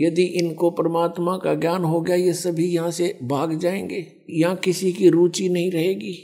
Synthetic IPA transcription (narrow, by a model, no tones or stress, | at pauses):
jɐd̪iʔɪnkopɾɐmaːt̪mãkaɡjaːnɦoɡɪjajesɐbʱijɐɦãsebʱaːɡd͡ʒaːẽːŋɡeː | jɐɦãkɪsikiɾuːt͡ʃinɐɦĩɾɐɦeːɡiː